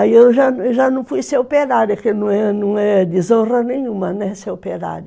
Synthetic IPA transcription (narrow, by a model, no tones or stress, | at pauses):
aiewʒanʒanɐ̃w̃fujsewpeɾaɾjʊkɪnɐ̃w̃ɛnɐ̃w̃ɛd̪izõrɐnẽɲ̃ũmɐnɐ̃ɛsewpeɾa̰ɾjʊ